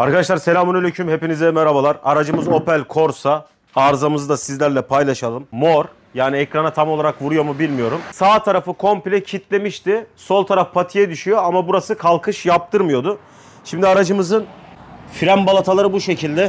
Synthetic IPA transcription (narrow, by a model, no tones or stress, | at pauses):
aɾkad̪aʃlˠaɾse̞lʲaːmunelʲøcʰymhe̞pinizd̪ɛmeɾabalˠaɾaɾad͡ʒɯmɯzo̞pælʲkʰo̞ɾsaː | ɾzamɯzd̪asizlʲæɾlʲɛpʰajlˠaʃalˠɯmːo̞ɾ | jaːniɛcɾanat̪ʰamo̞lˠaɾakvuɾujomubilʲmijo̞ɾumsaːt̪ʰaɾafɯkʰo̞mplʲɛcʰit̪ʰlʲe̞miʃt̪ɪso̞lˠt̪ʰaɾafpʰat̪ʰijɛd̪yʃyjo̞amabuɾasɯkʰalˠkʰɯʃjap̚t̪ʰɯɾmɯjo̞d̪ʊ | ʃimd̪iaɾad͡ʒɯmɯzɯnfiɾæmbalˠat̪ʰalˠaɾɯbuʃe̞cʰilʲd̪ɛ